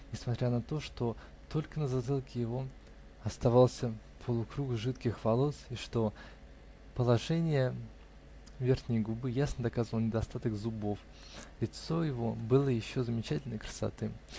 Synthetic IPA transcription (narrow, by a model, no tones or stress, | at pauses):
nʲɪsmɐt̪ʲɾʲanɐt̪o̞ʂt̪o̞ | t̪o̞lʲkənəzɐd̪ɨlˠkʲɪjɪvo̞ | ɐst̪ɐvalˠsʲə | pʰəlˠʊkɾuɡʐɨt̪kʲɪxvɐlˠo̞sɪʂt̪o̞ | pəlˠɐʐɛnʲɪjə | vʲe̞rxnʲɪjɡʊbɨjasnəd̪ɐkazvəlˠnʲɪd̪ɐst̪at̪əɡzʊbo̞f | lʲɪt̪so̞jɪvo̞bɨlˠəjɪɕːo̞zəmʲɪt͡ɕætʲɪlʲnəjkɾə̥sɐ̰t̪ɨ